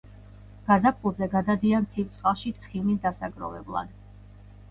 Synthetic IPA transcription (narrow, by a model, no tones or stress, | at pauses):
ɡ̥azap̚kʼulˠzɛɡad̪ad̪iansʰipt̪sʰwaʃit̪sʰχimis̬d̪asaɡɾɔ̰vɛ̰blˠa̰d̪